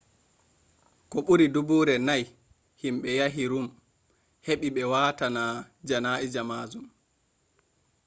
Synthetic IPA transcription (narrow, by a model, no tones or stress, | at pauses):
kɔɓuɾidubuːɾɛnaj | himɓɛjaɦiɾum | heɓiɓɛwatana | d͡ʒanaːʔid͡ʒamaːzum